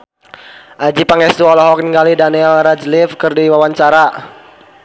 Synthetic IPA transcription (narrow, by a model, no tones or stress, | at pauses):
ʔad͡ʒipaŋɛst̪uɔlɔɦɔk̚niŋɡalidaniɛlɾad͡ʒlifkɨrdiwawaɲt͡ʃaɾa